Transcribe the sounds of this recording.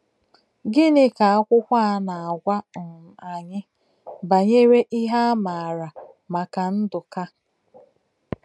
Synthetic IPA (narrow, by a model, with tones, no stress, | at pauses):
ɡɪ˦nɪ˦ka˨a˦kʷʊ˦kʷa˦a˦na˨a˨ɡʷa˦˨m̩˨a˨ɲɪ˦ | ba˨ɲe˦ɾe˦ʔi˦ɦa˦a˦ma˨a˨ɾa˨ | ma˨ka˨n̩˦dʊ˨ka˦